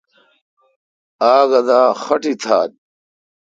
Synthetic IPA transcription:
aːɡɐd̪aːxɐʈit̪ʰaːd̪̚

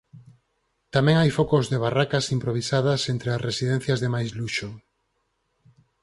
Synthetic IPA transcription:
t̪amɛ̃ŋajfokozðeβ̞arakasimpɾoβ̞isað̞ɐsent̪ɾeasresiðɛ̃n̟θjɐzðemajzluʃo

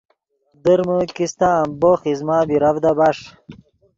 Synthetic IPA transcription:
d̪əɾməkist̪aːmboχizmaːbiɾɐvd̪ɐbaʂ

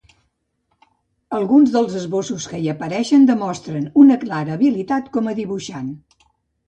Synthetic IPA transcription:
əlˠɣunzðəlˠzəzβosuskəiəpəɾɛʃənd̪əmɔst̪ɾənunəklaɾəːβilit̪at̪kɔməðiβuʃan

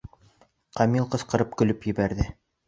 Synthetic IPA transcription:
qɑmilˠqɤ̆sqɤ̆ɾɤp̚kɵ̆lɵpjɘ̆bæɾðɘ

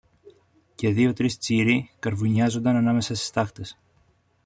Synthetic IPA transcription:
ce̞ðio̞t̪ɾist͡siɾikɐɾvuɲɐzond̪ɐnɐnɐme̞sɐst̪i̥st̪ɐkt̪e̞s

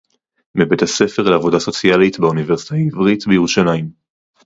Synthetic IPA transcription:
mibethase̞fe̞ʁleavo̞daso̞t͡sjalitbeuniveʁsi̥taivʁitbejʁuʃalajim

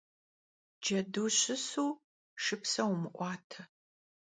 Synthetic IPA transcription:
d͡ʒɐduːɕɪsuː | ʂɨpsɐwmɨʔʷɑːtʰɐ

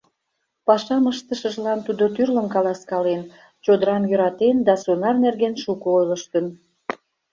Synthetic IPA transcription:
pɑʃɑməʃt̪əʃəʒlɑnt̪ud̪ot̪yrləmkɑlɑskɑlen | t͡ɕod̪əɾɑmjø̆ɾɑt̪end̪ɑsunɑrnerɡenʃukoojləʃt̪ən

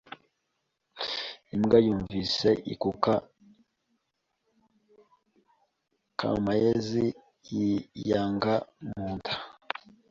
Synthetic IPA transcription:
imɡajuːɱviseʔḭkuka | ka̰majezi | jijaːŋɡamuːntʰḁ

